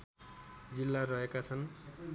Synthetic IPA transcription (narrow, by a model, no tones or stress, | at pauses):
d͡zilːarʌɦekat͡sʰʌn